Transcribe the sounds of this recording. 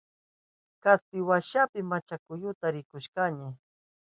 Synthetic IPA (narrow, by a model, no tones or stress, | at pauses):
kast̪ɪwaʃapɪmat͡ʃakʊjʊt̪aɾɪkʊʃkaɲɪ